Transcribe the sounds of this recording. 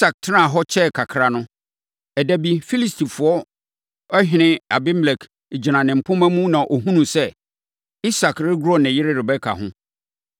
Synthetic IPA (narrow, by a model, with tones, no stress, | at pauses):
i˦sa˨k̚tʰɪ˦nã˦˨ɦɔ˦t͡ɕʰɛ˦˨kʰa˨kʰɾa˨nʊ̃˦ | ɛ˨dæ˦bi˦fi˦li˨stʰi˨fʊ˨ɔ˦ | ɔ˦ɦɪ̃˦nɪ̃˦a˨bɪ˦mlɛ˨kʰ | d͡ʑi˨nã˨nɪ̃˨m̩˨pʰʊ̃˦mæ̃˦mũ˦nã˨ʔo˨ɦũ˦nũ˨sɛ˦ | i˦sa˨kɾɪ˦ɡʊ˦ɾɔ˦nɪ̃˨jɪ˦ɾɪ˦ɾɪ˨bɛ˦kʰa̰˨ɦʊ̰̃˦